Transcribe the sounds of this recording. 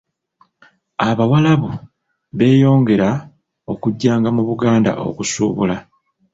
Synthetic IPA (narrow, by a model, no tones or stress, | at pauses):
aβawalaβu | βe̞ːjo̞ːŋɡe̞ɾa | o̞kuɟːaːŋɡamuβuɡaːnda̰ʔo̞̰kusṵːβṵla